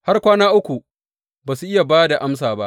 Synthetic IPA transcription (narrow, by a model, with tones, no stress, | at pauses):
ha˦rkʷaː˦naː˦ʔʊ˦kʷu˨ | baː˨su˨ʔɪ˦ja˨baː˦da˨ʔa˦ms̬aː˨ba˦ʔ